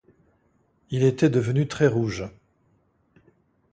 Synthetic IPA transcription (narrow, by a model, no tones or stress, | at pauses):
ilet̪ɛd̪əvənyt̪χɛʁuʒ